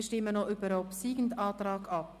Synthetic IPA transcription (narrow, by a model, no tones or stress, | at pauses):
ʃtɪmənoʔybəɾopsiːɡ̥n̩dɑːt̪ɾɑːɡɑp̚